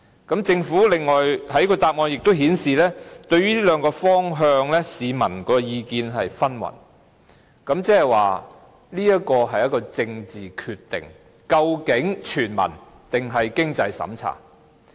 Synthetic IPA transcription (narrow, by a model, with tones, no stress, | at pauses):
kɐ˨˥mt͡sɪ˧ŋfuː˨˥lɪ˨ŋːɔː˨jhɐ˨˥jkɔː˧t̪aː˧p̚ŋɔː˨˧ŋjɪ˨k̚t̪o˥wɦiː˨˥nsiː˨lɛː˥t̪ɵ˧ɥyː˥liː˥lœː˨˧ŋkɔː˧fɔː˥ŋɦœː˧ŋlɛː˥siː˨˧mɐ̰˨˩nkɔː˨˧jiː˧kiː˧nɦɐ˨jfɐ˥nwɐ̰˨˩n | kɐ˨˥mt͡sɛː˥hɐ˨˩jwaː˨ | liː˥jɐ˥kɔː˧ɦɐ˨jɐ˥t̚kɔː˧t͡sɪ˧ŋt͡siː˨˩kʰyː˧t̪ɪ̰˨ŋ | kɐ˧wkɪ˨˥ŋt͡ʃʰyː˨˩nmɐ̰˨˩n | t̪ɪ˨ŋɦɐ˨jkɪ˥ŋt͡sɐ˧jsɐ̰˨˥mt͡sʰa̰ː˨˩